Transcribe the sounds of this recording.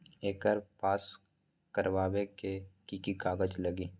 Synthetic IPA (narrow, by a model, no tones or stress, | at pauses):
eːkəɾpaːs | kəɾʋaːʋekekikikaːɡəd͡ʒlɐɡiː